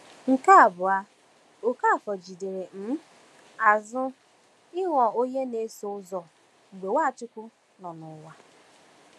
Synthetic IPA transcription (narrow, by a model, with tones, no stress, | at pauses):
ŋ̩˨ka˦a˨bʊ˨a˦ | o˨ka˦˨kɔ˨d͡ʒi˨de˨ɾe˨m̩˦ | a˨zʊ˦ | ɪ˦ŋʷɔ˨o˦ɲe˦ne˨˦so˦ʊ˦zɔ˨ | ŋ͡m̩˨ɡ͡be˨wa˦˨t͡ʃʊ˦kʷʊ˦ | nɔ˨nʊ˨˦wa˦